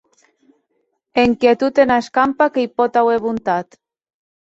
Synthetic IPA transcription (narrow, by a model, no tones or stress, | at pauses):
eŋkjet̪ut̪enaeskampakejpot̪aweβunt̪at̪